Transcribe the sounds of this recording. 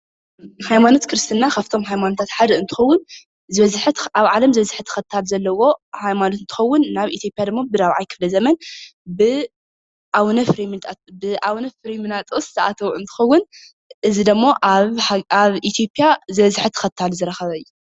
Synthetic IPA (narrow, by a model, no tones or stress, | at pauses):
hajmano̞t̪kʰɾɨst̪ʰɨnːakʰaft̪ʰo̞mɦajmanot̪ʰat̪ħad̪ɐɨnt̪ʰɨ̥xɐwːʊn | zɨβɐzħt̪aβʕalɐmzɨβɐzɨħɨt̪ʰɨ̥xɐt̪ʰːalzɐlːɐwo̞hajmanot̪ɨnt̪ʰɨ̥xɐwːʊnːaβit̪ʰjo̞pʼjad̪ɨmːobɨd̪awʕajkʰɨ̥flɐzɐmɐnbɨ | ʔawnɐfɾimt̪bɨʔawnɐfɾimɨnat̪ʼszʰɐʔat̪ʰɐwʔɨnt̪ʰɨ̥xɐwːʊn | ʔɨzid̪ɨmːoʔ | aβʔit̪ʰjo̞pʼijazɨβɐzɨħɨt̪ʰɨ̥xɐt̪ʰːalzɨɾɐxɐβɐɨjːu